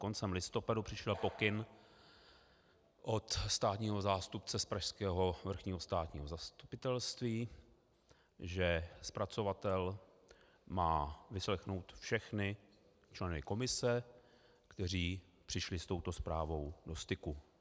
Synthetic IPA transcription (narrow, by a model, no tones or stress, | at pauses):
ko̞nt͡sɛmlɪst̪o̞padupr̝̥ɪʃɛlpo̞kɪn | ʔo̞t̪st̪aːt̪ɲiːɦo̞zaːst̪upt͡sɛspɾaʃskɛːɦo̞vr̩xɲiːɦost̪aːt̪ɲiːɦo̞zast̪upɪt̪ɛlst̪viː | ʒɛspɾat͡so̞vat̪ɛl | maːvɪslɛxno̞wt̪fʃɛxnɪ | t͡ʃlɛnɪko̞mɪsɛ | kt̪ɛr̝iː | pr̥ɪʃlɪst̪o̞wt̪o̞spɾaːvo̞wdo̞st̪ɪku